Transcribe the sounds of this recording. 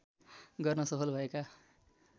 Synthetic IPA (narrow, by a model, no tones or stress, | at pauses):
ɡʌrnʌsʌpʰʌlbʱʌeka